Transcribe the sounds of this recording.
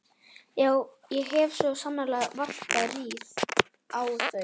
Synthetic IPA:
jaːw | jɛɦɛvsvɔsanːalɛːɣvar̥taðliːð | awθœ

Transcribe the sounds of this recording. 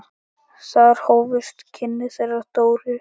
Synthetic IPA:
saɣɾ̥hoːwvɪst̪cʰɪnːɪθɛɾat̪oːwɾɪ

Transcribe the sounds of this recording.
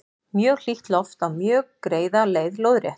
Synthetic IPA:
mjœːɣl̥iht̪lɔft̪avmjœːɣkɾeːjðaleːjðlowðɾjɛht̪n̥

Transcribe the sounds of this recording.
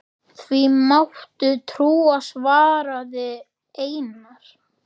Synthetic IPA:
θvimawht̪ʏt̪ʰɾuːasvaːɾaðɪ | eːjnaɾ̥

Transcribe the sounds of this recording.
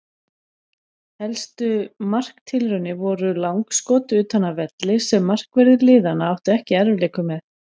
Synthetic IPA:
hɛlst̪ʏmar̥kt̪ʰɪlrʏnːɪvɔɾʏlawŋkskɔːt̪ʏʏːt̪hanːavɛt̪lɪ̥sɛmːar̥kvɛɾðɪlɪːðanːaawht̪ʏɛhcɪɛɾvlɛːkʏmɛð

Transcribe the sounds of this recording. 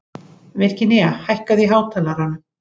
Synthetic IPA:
vɛr̥cɪnɛahajhkaðiɦaːwt̪ʰalaɾan

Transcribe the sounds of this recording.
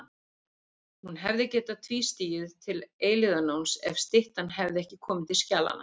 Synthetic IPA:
hunɦɛvðɪcɛːt̪at̪ʰviːst̪iːjɪðt̪ʰɪleːjlɪðanoːwnsɛ̰v̥st̪ɪht̪anɦɛvðɪɛhcɪ̥kʰɔːmɪt̪ɪlscaːla̰nːa̰

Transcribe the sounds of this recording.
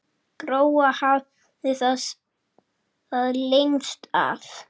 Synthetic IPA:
kɾoːwahað | ɪθas | aðlenst̪a̰v

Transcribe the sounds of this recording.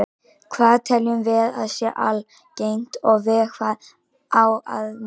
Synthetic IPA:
kʰvaːðt̪ʰɛljʏmvɪðaðsjɛʔal | cejn̥t̪ɔɣvɪkʰvað | awa̰ð

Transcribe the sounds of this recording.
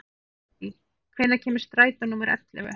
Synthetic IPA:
i | kʰveːjðacʰɛːmɪ̥ɾ̥st̪ɾaːjt̪anuːmɪɾɛ̰t̪lɪ̰vɛ̰

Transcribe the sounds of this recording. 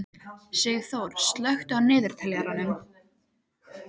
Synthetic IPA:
sɛɣθowɾ̥st̪lœxt̪ʏawnɪːðʏɾ̥t̪ʰɛljaɾanʏm

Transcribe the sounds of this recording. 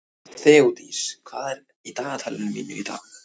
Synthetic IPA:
θɛut̪iskʰvaːðɛɾ | it̪aːnat̪ʰaːlɪnmḭːnːɪɾit̪a̰ːɣ

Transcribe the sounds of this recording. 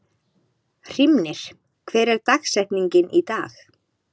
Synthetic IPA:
r̥imnɪɾ̥ | kʰvɛːɾɛɾt̪axsɛht̪niɲcɪnʔit̪aːx

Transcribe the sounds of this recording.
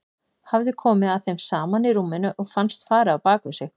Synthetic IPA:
havðɪkʰɔːmɪðaðθejmsaːmanɪɾuːmːɪnʏʔɔɣfanst̪faːɾɪawpaːkʏsjɛx

